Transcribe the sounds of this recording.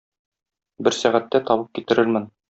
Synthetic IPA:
bɘɾsæʁæt̪ːæt̪ɒbɤp̚kit̪ɘ̆ɾɘɾmɘn

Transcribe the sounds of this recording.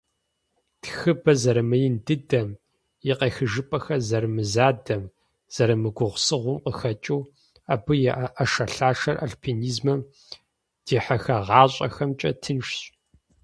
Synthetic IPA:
txɨbɐzɐɾɐmɐjɪndɨdɐm | jɛqeːxɨʒɨpʼɐxɐzɐrɨmɨzaːdɐm | z̥ɐɾɐmɨɡʷʊʁʷsɨʁʷʊmqʼəxɐt͡ʃʼuː | aːbɨjɛʔʔɐʃɐɬaːʂɐrʔa̰ɬpʰiniːzmɐm | d̥eːħɐxɐʁɑːɕʼɐ̰xɐmt͡ʃʼɐ̰tʰɨnʂɕʼ

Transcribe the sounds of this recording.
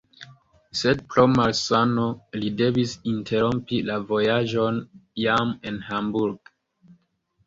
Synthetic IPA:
se̞d̚plomalsanolide̞visintʰe̞ɾompilavo̞jaʒo̞njamenhambuɾɡ

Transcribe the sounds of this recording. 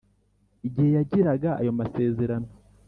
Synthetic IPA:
iɟihe̞jaɟiɾaɡaa̰jo̞mase̞ːze̞ɾano

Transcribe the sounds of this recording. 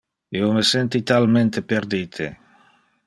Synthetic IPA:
iomesent̪it̪alment̪epeɾd̪it̪ʰḛ

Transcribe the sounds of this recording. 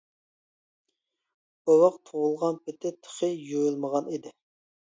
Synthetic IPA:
owɑqt̪ʰowulˠʁɑnpʰɪt̪ʰɪt̪ʰə̥χəjojulˠməʁɑnid̪ɪ

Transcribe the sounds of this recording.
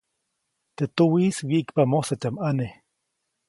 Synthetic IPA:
t̪et̪uwiswiʔikpamoset͡ʃ̪amʔane

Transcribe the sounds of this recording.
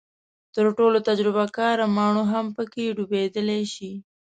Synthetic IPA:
t̪əɾʈolot̪ad͡ʒɾɪbakɑɾamɑɳ̃oɦampəkeɖubed̪əleʃi

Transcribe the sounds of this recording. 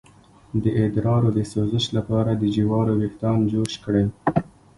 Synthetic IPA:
d̪əʔɪd̪ɾɑɾod̪əsozəʃlapɑɾad̪əd͡ʒiwɑɾoɾɪhd̪ɑnd͡ʒoʃkɽe

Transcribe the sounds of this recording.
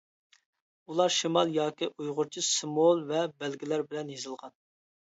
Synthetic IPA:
ulˠɑɾʃimɑlˠjɑːkʲiʔujʁʊɾt͡ʃʰisɨmolˠvɛbɛlɡʲilæɾbɪlɛnjezɨlˠʁɑn

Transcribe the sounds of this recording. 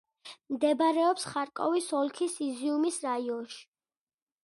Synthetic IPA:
md̪ɛbɾɛɔpsχaɾkʼɔ̰visɔlˠkʰisiziumisɾaiɔ̃nʃi̥

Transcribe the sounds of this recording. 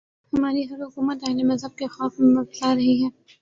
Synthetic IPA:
hɐmaːɾiɦɐɾɦʊkuːmət̪ɐːlemɐzɦəb̚kexɔːfmẽmɐslaɾɐɦiɦɛː

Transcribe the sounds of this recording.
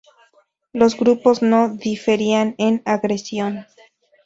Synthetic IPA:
lo̞zɡɾupo̞zno̞ðife̞ɾianenaɣɾesjo̞n

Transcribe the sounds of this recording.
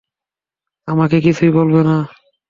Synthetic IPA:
amakekit͡ɕʰujbolbena

